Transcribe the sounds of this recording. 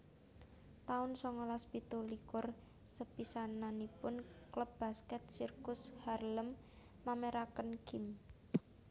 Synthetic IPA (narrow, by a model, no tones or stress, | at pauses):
t̪aʊnsɔŋɔlaspit̪olikʊr | səpisananipʊnkləb̚b̥askɛt̪̚sirkʊsharləmː | ameɾakənkɪm